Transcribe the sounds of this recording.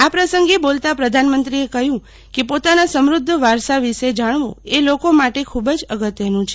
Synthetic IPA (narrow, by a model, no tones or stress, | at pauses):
apɾəsəŋɡebolt̪apɾəd̪ʱanmənt̪ɾiekəɦjũ | kepot̪anasəmɾʊd̪ʱːəʋaɾsaʋiʃed͡ʒaɳ̃ʋo̰elokomaʈekʰubəd͡ʒəɡət̪jənũt͡ʃʰe